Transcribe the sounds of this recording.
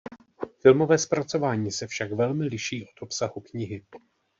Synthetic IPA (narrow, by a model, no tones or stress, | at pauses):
fɪlmo̞vɛːspɾat͡so̞vaːɲiːsɛfʃakvɛlmɪlɪʃiːʔo̞t̪ʔo̞psahukɲɪɦɪ